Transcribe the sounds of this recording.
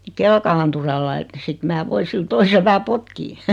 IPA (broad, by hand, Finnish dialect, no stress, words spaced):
kelkɑɑnturɑlːɑ ĕt sit mæː ʋoi sil toisel ʋæhæ potkiː